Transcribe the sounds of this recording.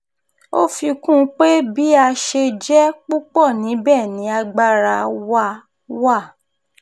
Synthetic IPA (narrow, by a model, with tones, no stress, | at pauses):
o˦fi˧kũ˦k͡pe˦bi˦a˧ʃe˧d͡ʒɛ˦k͡pu˦k͡pɔ˦˨nĩ˨˦bɛ˦˨nĩ˨˦a˧ɡ͡ba˦ɾa˧wa˦˨ | wa˦˨